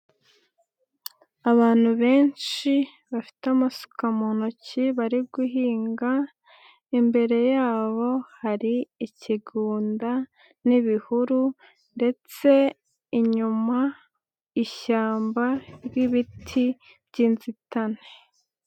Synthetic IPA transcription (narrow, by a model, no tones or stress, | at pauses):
aβaːn̥huβe̞ːnt͡ʃi | βafi̥tamasu̥kamonociβaɾibɡiɦiːŋɡa | imbe̞ɾe̞jaːβo̞haɾiːciɡuːnda | niβihuɾu | nde̞t͡se̞ | iɲuma | iʃaːmbaɾɡiβitʰi | bɟiːnzitane̥